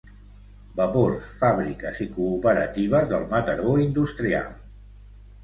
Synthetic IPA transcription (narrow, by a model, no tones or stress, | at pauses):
bəporsfaβɾikəzikuːpəɾət̪iβ̞əzðəlˠmət̪əɾoind̪ust̪ɾia̰lˠ